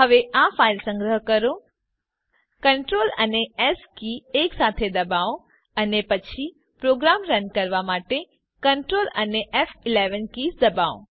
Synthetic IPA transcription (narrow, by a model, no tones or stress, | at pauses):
ɦəʋeʔafailsə̃ŋɡɾəɦkəɾo | kəɳʈɾolə̰neɛskieksat̪ʰed̪əbaõ | ənepət͡ʃʰi | pɾoɡɾamɾənkəɾʋamaʈe | kəɳʈɾoləneʔɛfɪleʋənkisd̪əbaõ̰